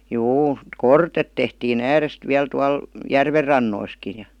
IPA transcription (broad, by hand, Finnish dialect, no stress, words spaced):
juː kortet tehtiːn æːrest ʋiæl tuɑl jærʋerːɑnːoiski jɑ